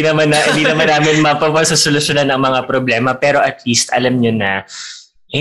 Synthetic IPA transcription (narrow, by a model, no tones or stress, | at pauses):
inɐmanʔɪnd̪inɐmanːaːmɪnmɐpɐpɐsosolʊsjonanɐŋmɐŋapɾoblɛːmɐpɛːɾo̞ʔɐt̪liːst̪ʔɐ̰lamɲonɐ | hɪ